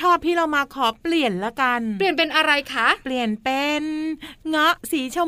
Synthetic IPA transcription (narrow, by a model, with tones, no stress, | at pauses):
t͡ɕʰɔː˥˩p̚t̪ʰiː˥˩ɾa˧wmaː˧kʰɔː˩˦pli˨˩ənlɛ˦˥ka˧nli˨˩ənpe˧nʔa˧ɾa˧jkʰa˦˥ʔpli˨˩ənpe˧nŋɔ˦˥ʔsiː˩˦t͡ɕʰa˧w